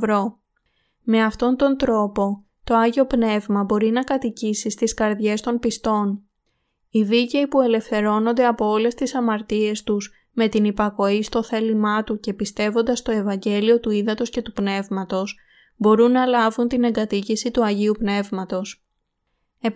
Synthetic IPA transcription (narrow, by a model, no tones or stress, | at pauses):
vɾo̞ | me̞ɐft̪o̞nt̪o̞nt̪ɾo̞po̞ | t̪o̞ɐʝio̞pne̞vmɐbo̞ɾinɐkɐt̪icisist̪iskɐɾðʝe̞st̪o̞npist̪o̞n | iðice̞ipue̞le̞fθe̞ɾo̞no̞nd̪e̞ɐpo̞ole̞st̪isɐmɐɾt̪ie̞st̪uz | me̞t̪inipɐko̞ist̪o̞θe̞limɐt̪uce̞pist̪e̞vo̞nd̪ɐst̪o̞e̞vɐɲɟe̞lio̞t̪uiðɐt̪o̞sce̞t̪upne̞vmɐt̪o̞s | bo̞ɾunːɐlɐvunt̪ine̞ŋɡɐt̪icisit̪uɐʝiupne̞vmɐt̪o̞s | e